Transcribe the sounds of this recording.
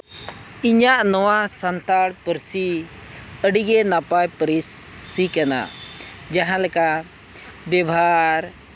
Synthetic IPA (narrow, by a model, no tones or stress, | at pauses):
iɲaʔnɔwasənt̪aɽpəɾsi | əɖiɡɛnapajpəɾisːikana̰ | d͡ʒaɦãlɛka | bjɛbaɾ